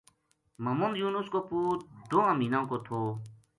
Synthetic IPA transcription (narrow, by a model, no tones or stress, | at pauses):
məmʊnd̪juːnʊskoːpuːtd̪oːãmiːnãːkoːt̪ʰoː